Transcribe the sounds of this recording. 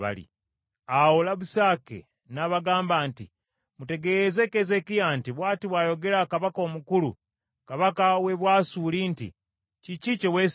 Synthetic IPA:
a̰lḭ | awolaβusaːke̞̰ | naβaɡaːmbaːntḭ | mute̞ɡe̞ze̞keze̞kijantiβwaːtiβwaːjo̞ɡe̞ɾakaβako̞ːmukulṵ | kaβakaweβwaːsuːlintḭ | cicit͡ʃewes

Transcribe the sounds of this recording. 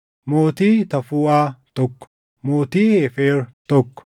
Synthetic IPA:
moːt̪iːt̪ɐfuːaːt̪ɔkːɔ̥ | moːt̪iːheːfeːɾt̪ɔkːɔ̥

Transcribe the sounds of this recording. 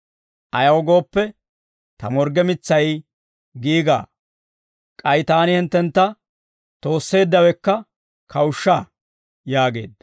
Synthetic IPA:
ʔɐjɐwɔɡo̞ːpːɛ | t̪ɐmɔɾɡɛmɪt͡sːɐj | ɡiːɡa̰ː | kʼɐjt̪aːnɪhɪnt̪ːɛnt̪ːɐ | t̪o̞ːsːe̞ːd̪ːɐwɛkːɐ | kʰɐwʊʃːaː | jaːɡe̞̰ːd̪

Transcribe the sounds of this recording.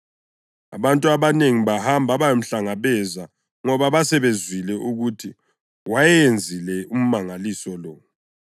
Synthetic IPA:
a̰βantʼuaβaneŋiβahambʱaβajom̩ɬaŋaβɛza | ŋɔβaβasɛβezwilɛʔuɣutʰi | wajɛjend͡zʱilɛum̩maŋalisɔlɔː

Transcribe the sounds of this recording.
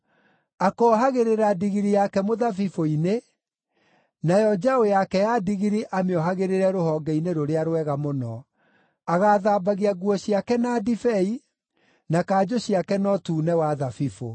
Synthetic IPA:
akɔɦaɣeɾeɾadiɣiɾijakɛmoðafifoine | najɔd͡ʑaojakɛjadiɣiɾiʔameɔɦaɣeɾeɾɛɾohɔɡɛineɾoɾeaɾwɛɣamonɔ | aɣaːðabaɣiaɣwɔɕiakɛnadifɛi | nakaːd͡ʑoɕiakɛnɔtuːnɛwaðafifo

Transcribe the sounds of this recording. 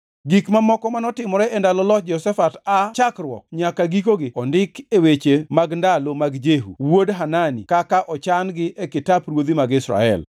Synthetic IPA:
ɡikmamɔkɔmanɔtɪmɔɾɛɛndalɔlɔd͡ʒɔsɛfatat͡ʃakrwɔ̰kɲakaɡikoɡɪɔndɪkewet͡ʃemaɡndalomaɡd͡ʒeɦṵwodɦananḭkakaʔɔt͡ʃanɡɪʔekɪtaprwod̪imaɡɪsɾa̰ɛ̰l

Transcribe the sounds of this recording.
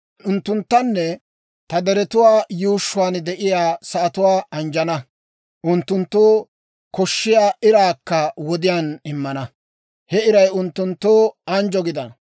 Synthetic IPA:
ʊnt̪ːʊnt̪ːɐnːɛ | t̪ɐd̪ɛɾɛt̪ʊwaːjuːʃːʊwaːnd̪ɛʔɪjaːsɐʔːt̪ʊwaːɐnd͡ʒɐnɐ | ʔʊnt̪ːʊnt̪ːoː | kɔʃːɪjaːɪɾaːkːɐwɔd̪ɪjaːnɪmːɐnɐ | hɛɪɾɐjʊnt̪ːʊnt̪ːoːɐnd͡ʒɔɡɪd̪ɐnɐ

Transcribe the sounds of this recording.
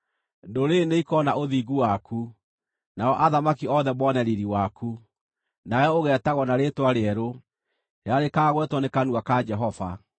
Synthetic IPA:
ndoɾeneikɔnaoðiɣuwaku | naɔʔaðamakiɔðɛmɔnɛɾiɾiwakʰu | najɔoɣɛːtaɣɔnaɾetwaɾeɛɾo | ɾeaɾekaːɣwɛtwɔnekanwakad͡ʒɛɦɔva̰

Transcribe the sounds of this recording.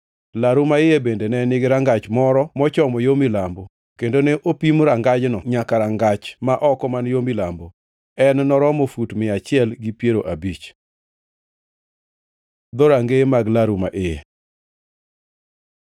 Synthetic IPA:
laɾumaɪjebendenɛnɪɡɪɾaŋɡat͡ʃmɔɾɔmɔt͡ʃɔmɔjomilambo | kendoneʔopimɾaŋɡad͡ʒnɔɲakaɾaŋɡat͡ʃmaʔɔkɔmanjomɪlambo | ɛnnɔɾɔmofutmɪat͡ʃɪɛlɡipjeɾoʔabit͡ʃ | d̪ɔɾaŋɡemaɡlaɾuma̰ʔɪḛ

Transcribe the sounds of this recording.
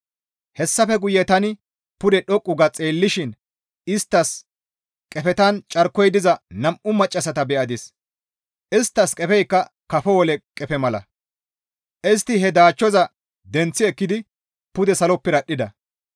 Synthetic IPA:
hɛsːɐfɛɡʊjːɛt̪ɐnɪ | pʊd̪ɛɗɔkʼːʊɡɐt͡sʼeːlːɪʃɪn | ɪst̪ːɐs | kʼɛfɛt̪ɐnt͡ʃʼɐɾkːɔjd̪ɪzɐnɐmʔʊmɐt͡ʃʼːɐsɐt̪ɐbɛʔɐd̪ɪs | ʔɪst̪ːɐskʼɛpɛjkːɐ | kɐfɔwɔlɛkʼɛpɛmɐlɐ̰ | ʔɛst̪ːɪɦɛd̪aːt͡ʃːɔzɐ | d̪ɛnt͡sːɪɛkːɪd̪ɪ | pʊd̪ɛsɐlɔpːɪɾɐɗːɪd̪ɐ̰

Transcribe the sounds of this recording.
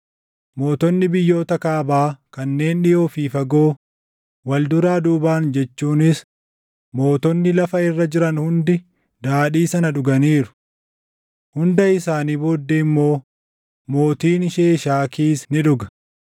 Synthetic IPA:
mo̞ːt̪ɔnːɪbɪjːo̞ːt̪ɐkaːbaːkɐnːe̞ːnᶑɪjo̞ːfiːfɐɡo̞ː | wɐld̪ʊɾaːd̪uːbaːnd͡ʒɛt͡ʃːuːnɪs | mo̞ːt̪ɔnːɪlɐfɐɪrːɐd͡ʒɪɾɐnhʊnd̪ɪ | d̪aːᶑiːsɐnɐᶑʊɡɐniːɾʊ̥ | hʊnd̪ɐɪsaːniːboːd̪ːeɪmːo̞ː | mo̞ːt̪iːnɪʃeːʃaːkiːsnɪᶑʊɡɐ̥

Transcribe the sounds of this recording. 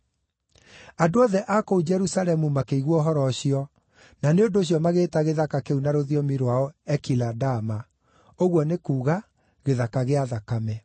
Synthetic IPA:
adoɔðɛʔakoud͡ʒɛɾusalɛmumakeiɣwɔɦɔɾɔɕiɔ | naneondoːɕ̬jɔmaɣeːtaɣeðakakeunaɾoðiɔmiɾwaɔɛkiladama | oɣwɔnekuːɣa | ɣeðakaɣeaðakamɛ

